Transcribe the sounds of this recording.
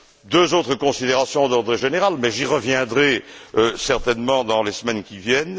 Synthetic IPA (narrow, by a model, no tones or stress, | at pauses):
d̪øzot̪χəkɔ̃sid̪eʁasjɔ̃d̪ɔʁd̪ʁeʒeneʁalmɛʒiʁəvjɛ̃d̪ʁɛsɛʁt̪ɛnmɑ̃d̪ɑ̃lesmɛnkʲivjɛn